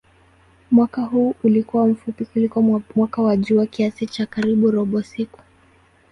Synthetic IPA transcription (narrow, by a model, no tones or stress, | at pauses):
mwakaɦuːulikuwam̩fupikulikwamwakawaʄuwakiasit͡ʃakaɾiɓuɾɔɓɔsiku̥